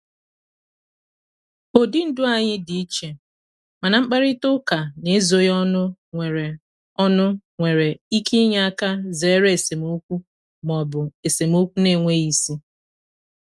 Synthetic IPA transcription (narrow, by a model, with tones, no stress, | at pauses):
o˨di˦n̩˦dʊ˦a˨ɲɪ˦di˨i˦t͡ʃe˨ | ma˨na˨ŋ͡m̩˦k͡pa˦ɾɪ˦tʊ˦ka˨ne˨˦e˦zo˨jɔ˦nʊ˦ŋʷe˨ɾe˨ | ɔ˦nʊ˦ŋʷe˨ɾe˨i˦kʰi˦ɲa˦a˦ka˦ze˨˦ɾe˦e˨se˨mu˦kʷu˦ | m˨ɔ˨bʊ˨e˨se˨mu˦kʷu˦ne˦˨ŋʷe˦i˦si˦